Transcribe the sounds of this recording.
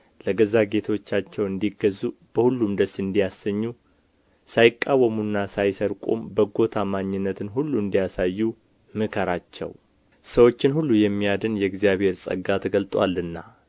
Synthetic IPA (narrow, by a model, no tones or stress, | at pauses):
ləɡəzaɡe̞t̪ʰwot͡ʃːat͡ʃːɛwɨnd̪iɡəzːub̥əhulːumd̪əsɨnd̪ijasːəɲːu | sajɪkʼːawəmunːasajsəɾkʼo̰mbəɡo̞t̪ʰamaɲːɪnːət̪ʰɨnhulːuɨnd̪ijasajːu | mɨkʰəɾat͡ʃːɛ̰w | səwo̞t͡ʃːɪnhulːujɛmːijad̪ɨnjɛɡzijaβhe̞ɾsʼə̰ɡat̪ʰɡəlt̪ʼwa̰lːɨnːa